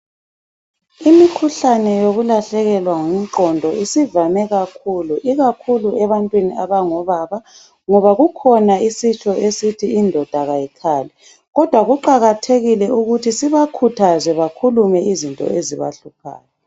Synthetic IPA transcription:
imikʰuɬanɛjoɣulaɬɛɣɛlwaŋum̩ǁɔndʱɔisivamɛɣakʰuluʔiɣakʰuluɛβantʼwiniaβaŋɔβaːβa | ŋɔβaɣukʰɔnaisit͡ʃʼɔesitʰiːndʱɔd̥ʱaɣajikʰaːlɛ | ɣɔd̥ʱwaɣuǃaɣatʰeɣilɛuɣutʰisiβakʰutʰazɛβakʰulumɛizintʼɔ̰eziβa̰ɬupʰa̰ːjɔ

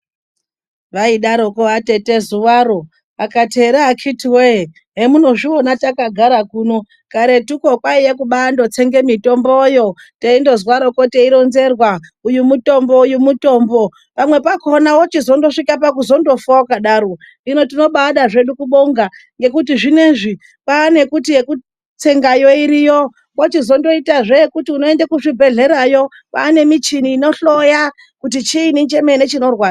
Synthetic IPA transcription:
ʋaiɗaɾokoate̞te̞zuwaɾo̞ | akate̞ɾaːkitiwe | ɦemuno̞ʐio̞natakaɡʱaɾakuːno̞ | kaɾe̞tuko̞kwaijekuɓando̞t͡seŋɡe̞mito̞mbojo̞ | teindo̞zwaɾo̞ko̞te̞iɾo̞nze̞rwaujumuto̞mboujumuto̞ːmbo̞ | pamwe̞pako̞nawot͡ʃizo̞ndo̞ʂikap̬akuzo̞ndo̞fakaɗaːɾo | ino̞tino̞ɓaɗaʐe̞ɗukuɓo̞ŋɡaŋɡe̞kutiʐine̞ʐi | paːne̞kutijeku | t͡se̞ŋɡajo̞iɾijo | kot͡ʃizo̞ndo̞itaʐekutiuno̞endakuʐibʱe̞ɮe̞ɾajo̞ | pa̰ːne̞mit͡ʃiniːno̞ɬo̞ja | kut̬it͡ʃiːnint͡ʃe̞menet͡ʃino̞rwaːd͡z

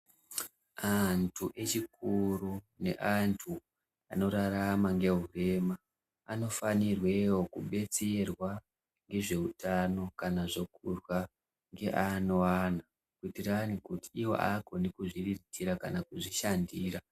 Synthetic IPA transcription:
antʰuʔe̞t͡ʃikuru | ne̞̰ʔantʰu | a̰no̞ɾaɾamaŋɡe̞ɦure̞maː | no̞fanirwe̞wo̞kuɓe̞t͡serwa | ŋɡe̞ʐe̞utano̞kanaʐo̞kʰurwa | ŋɡe̞ʔanoana | kuitiranikutiːwo̞̰ʔako̞nikuʐiriritʰiɾakanakuʐiʃandiːɾa

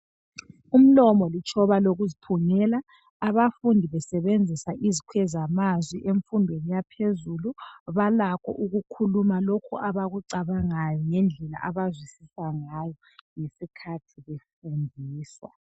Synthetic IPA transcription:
um̩lɔmɔlit͡ʃʰʼɔβaloɣuzipʰuŋɛlaː | βafundʱiβɛsɛβend͡zʱisaʔizikʰwɛzamazwiʔeɱfundʱwenijapʰezuluβalakʰɔ̰ʔuɣukʰulumalokʰuʔaβaɣuǀaβaŋajɔŋɛnd͡ɮʱɛla̰ʔaβazwisisaŋajɔ | ŋesikʰatʰiβefundʱiːswa̰

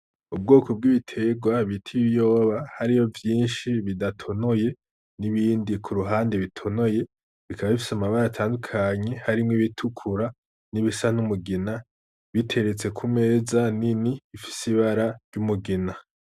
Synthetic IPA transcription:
ubɡo̞ːkob̚ɡiβitʰe̞ɡwaβitʰiβjo̞ːβahaɾijo̞vjiːnʃiβidatʰo̞no̞je̞ | niβiːndikʰuɾuɦaːnde̞βitʰo̞no̞je̞ | βikʰaβaβifi̥samaβaɾatʰaːndukʰaɲe̞haɾimŋiβitʰukʰuɾa | niβisanumuɡina | βitʰe̞ɾe̞t͡se̞kʰume̞ːzaniniifi̥siβaɾaɾɟumuɡina

